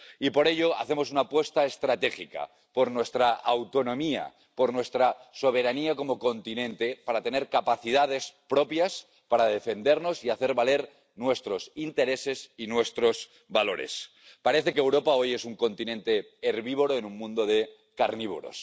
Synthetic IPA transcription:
ipo̞ɾe̞ʎo̞a̰θe̞mo̞s̬unapwe̞st̪aest̪ɾat̪e̞xika̰ | po̞ɾnwe̞st̪ɾaawt̪o̞nõ̞mia̰ | po̞ɾnwe̞st̪ɾaso̞β̞e̞ɾaniako̞mo̞ko̞nt̪inẽ̞nt̪e̞paɾat̪e̞ne̞ɾkapaθið̞aðe̞spɾo̞pjas | paɾað̞e̞fe̞nd̪e̞ɾno̞siaθe̞ɾβale̞ɾ | nwe̞st̪ɾo̞sint̪e̞ɾe̞se̞sinwe̞st̪ɾo̞z | βalo̞ɾe̞̰s | paɾe̞θe̞keːwɾo̞pao̞je̞suŋko̞nt̪inẽ̞nt̪e̞ː | ɾβiβoɾoenũŋmũnd̪oð̞e̞ | kaɾniβ̞o̰ɾo̞̰s

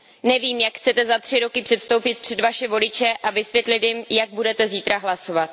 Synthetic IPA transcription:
nɛviːmjakxt͡sɛt̪ɛzat̪r̝̥ɪɾo̞kɪpr̥ɛt̪st̪o̞wpɪt̪̚pr̥ɛd̪vaʃɛvo̞lɪt͡ʃɛʔavɪsvʲjɛt̪lɪt̪jɪmjaɡ̚budɛt̪ɛziːt̪ɾaɦlaso̞vat̪

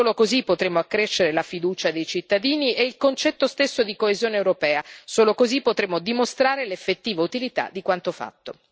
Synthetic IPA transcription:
oːlokozipːot̪ɾemːoakːɾeʃːeɾelafid̪uːt͡ʃad̪ejt͡ʃit̪ːad̪iːniʔɛilkont͡ʃɛt̪ːost̪esːod̪ikoezjoːneːwɾopɛːasoːlokozipːot̪ɾeːmːod̪imost̪ɾaːɾelefːet̪ːiːvaut̪ilit̪a̰d̪ikwant̪ofa̰t̪ːo

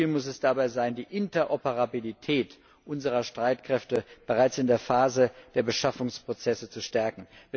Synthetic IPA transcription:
lmʊsɛsd̥abaɪzaɪndiːʔɪntɐʔopəʁabilitʰɛːt | ʔʊnzəʁ̞ɐʃtʁ̥aɪtkʁ̥ɛftəb̥əʁaɪt͡sɪndeːɐfaːzəd̥eːɐbəʃafʊŋspʁ̥ot͡sɛsət͡suʃtɛɐkŋ̩vː

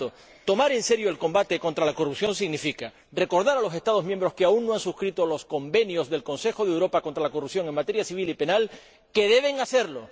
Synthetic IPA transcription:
o | t̪o̞maɾe̞nse̞ɾjo̞elko̞mbat̪e̞ko̞nt̪ɾalakorupsjõ̞nsiɣnifika | re̞ko̞ɾðaɾalo̞se̞st̪að̞ozmje̞mbɾo̞skeaunnoansuskɾit̪o̞lo̞sko̞mbe̞njo̞zðe̞lko̞nse̞xo̞ðewɾo̞pako̞nt̪ɾalakorupsjo̞ŋe̞ŋmat̪e̞ɾjasiβ̞ilipe̞nal | ke̞ðe̞βe̞ŋase̞ɾlo̞

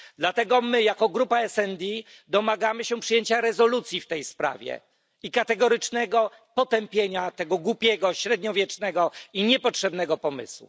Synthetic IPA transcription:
d̪lat̪ɛɡɔmɘjakɔɡɾupaɛsɛnd̪ʲi | d̪ɔmaɡamɘɕɛpʂɨjeɲt͡ɕaɾɛzɔlut̪sʲjift̪ɛjspɾa̰vʲjɛ̰ | ikat̪ɛɡɔɾɘt͡ʂnɛɡɔ | pɔt̪ɛmpʲjeɲat̪ɛɡɔɡwupʲjɛɡɔɕɾɛd̪̚ɲɔvʲjɛt͡ʂnɛɡɔiɲɛpɔtʂɛbnɛɡɔpɔmɘ̰swṵ

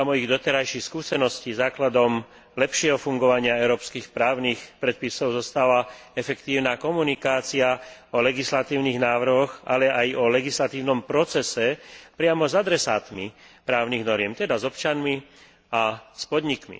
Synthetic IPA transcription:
amɔiɣd̪ɔt̪ɛɾajʃixskuːsɛnɔscizaːklad̪ɔm | lɛpʃɪɛɦɔfuŋɡɔʋaɲɪaɛʊɾɔːpskiːxpɾaːʊnixpɾɛt̪̚pisɔʊzɔst̪aʋaɛfɛkt̪iːʊnaːkɔmunikaːt͡siaɔlɛɡislat̪iːʊniɣnaːʋr̩ɦɔɣalɛʔajɔlɛɡislat̪iːʊnɔmpɾɔt͡sɛsɛpɾɪamɔzad̪ɾɛsaːt̪mi | pɾaːʊniɣnɔɾɪɛmt̪ɛd̪azɔpt͡ʃanmi | aspɔd̪ɲikmḭ

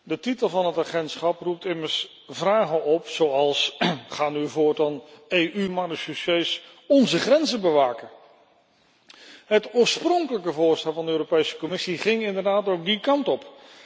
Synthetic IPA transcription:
dətitəlˠvɑnɦətaːχɛntsχɑprup̚tɪməɹs | vraːχənɔpsowɑlˠsχaːnyvʊːɹtɑnejʔymaːdəsyses | ɔnzəχrɛnzəbəʋaːkə | ɦətʊːɹsprɔŋkələkəvʊːɹstɛlˠvɑndəøːropejsə̥kɔmɪsiχɪŋɪndəɹdaːtowk̚dikɑntɔp

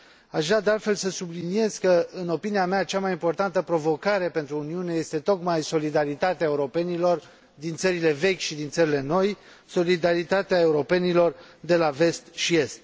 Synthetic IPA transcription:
aʃɣɾad̪ealt̪fe̞lsəsublinie̞z̥kəɨno̞piniameat͡ʃamajimpo̞rt̪ant̪əpɾo̞vo̞kaɾe̞pe̞nt̪ɾuːniune̞je̞st̪e̞t̪o̞kmajso̞lid̪aɾit̪at̪eae̞uɾo̞pe̞nilo̞r | d̪int̪səɾile̞ve̞kʲʃid̪int̪səɾileno̞j | so̞lid̪aɾit̪at̪eae̞uɾo̞pe̞nilo̞rd̪e̞lave̞st̪ʃie̞st̪

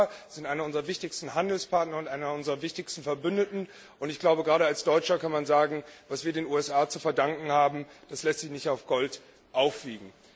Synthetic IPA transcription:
z̥ɪntʔaɪnɐʊnzʁɐvɪçtɪçstn̩ɦandl̩spʰaɐtnɐʊntʔaɪnɐʊnzʁɐvɪçtɪçstn̩fɛɐbʏndətn̩ | ʔʊntɪçɡ̥laʊbəɡʁaːɾəalsd̥ɔʏt͡ʃɐkanmanzaːɡŋ̩vasv̥iːɐdeːnuːɛsʔaːt͡sufɛɐdaŋkŋ̩haːbm̩d̥aslɛstz̥ɪçnɪçtaʊfɡ̥ɔlt | ʔaʊfv̥iːɡŋ̩

